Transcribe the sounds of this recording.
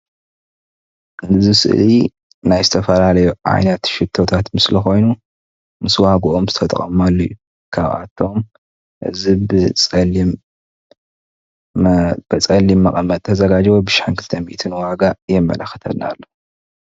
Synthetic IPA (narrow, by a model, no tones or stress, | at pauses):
ʔɨnɨzisɨ̰ʔli | najzɨt̪ʰɐfɐlalɐjuʕa̰jnɐt̪ʃɪt̪ʰːo̞t̪ʰat̪mɨslɐxo̞jnu | mɨswahɡʔomzɨt̪ʰɐt̪ʼɐ̰χʼɐmalːɐjːu | kʰa̰βa̰t̪ʰːo̞m | ʔɨ̰zibɨt͡sʼ | b̥ɐt͡sʼɐlːimːɐkʼɐmːɐt̪ʼt̪ʰɐzɐɡad͡ʒbobɨʃħankʰɨlt̪ʰɐmḭʔt̪ʰɨnwaɡajɛmːɐ̰lɐxt̪ʰɐ̰dna̰lːo